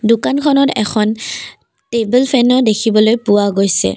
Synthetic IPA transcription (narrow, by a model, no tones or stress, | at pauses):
dʊkankʰɔnɔtɛ̰kʰɔn | tebulpʰɛnɔdekʰibɔlojpuwaɡojsɛ̰